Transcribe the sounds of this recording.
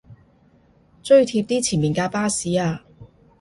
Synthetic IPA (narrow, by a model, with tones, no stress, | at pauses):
t͡ʃɵ˥ɥt̪ʰiː˧p̚t̪iː˥t͡sʰiː˨˩nmiː˨˩nkaː˧paː˥siː˨˥aː˧